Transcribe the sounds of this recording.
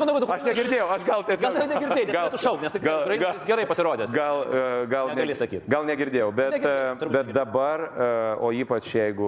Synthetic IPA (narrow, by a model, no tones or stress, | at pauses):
mɐnoʊɡʲʊt̪d̪ʊkɐʃnʲɛɡʲɪɾʲd̪ʲeːjɛʊɐʃɡɐlˠtʲiɛsʲɐlˠːoɐnʲɛɡʲɪɾd̪ʲeːjnʲɛɡɐlˠt̪ʊʃɐʊknʲɛst̪ɪɡɐlˠɐɡɐɪsɡʲɛɾɐɪpɐsʲɪɾoːd̪ʲeːsɡɐlˠɡɐlˠnɛnʲɛɐlʲɪssɐkʲiːt̪ɡɐlˠnʲɛɡʲɪɾʲd̪ʲeːjɛʊbʲɛt̪ʲbʲɛt̪̚d̪ɐbɐroːiːpɐt͡ʃjɛɪɡʊ